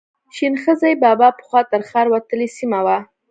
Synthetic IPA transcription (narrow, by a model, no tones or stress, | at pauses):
ʃinxəzajbɑbɑpə̥xwɑt̪əɾxɑɾwat̪əlesimawa